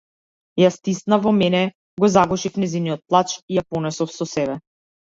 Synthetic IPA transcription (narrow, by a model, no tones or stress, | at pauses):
jast̪ist̪navɔmɛnɛ | ɡɔzaɡɔʃifnɛziniɔt̪̚plˠat͡ʃijapɔnɛsɔfsɔsɛβɛ